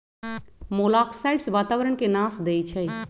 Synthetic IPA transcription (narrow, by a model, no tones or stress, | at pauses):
molakʰsajɖsʋat̪aʋəɾəɳkenasd̪ejt͡ʃʰɛj